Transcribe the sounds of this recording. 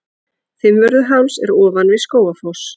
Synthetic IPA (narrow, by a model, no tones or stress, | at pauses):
fɪmvœɾðʏɦawnsɛɾɔːvanvɪskoːwafows